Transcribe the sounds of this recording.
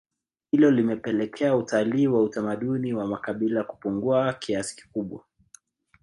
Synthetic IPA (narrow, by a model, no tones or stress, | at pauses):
hilɔlimɛpɛlɛkʰɛautaliːwautamaɗuniwamakaɓilaku̥puŋɡuakiasi̥ki̥kuɓwa